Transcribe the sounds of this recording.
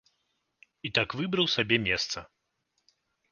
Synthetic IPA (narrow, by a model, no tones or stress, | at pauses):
it̪akvɨbɾɐwsabʲɛmʲɛst̪sɐ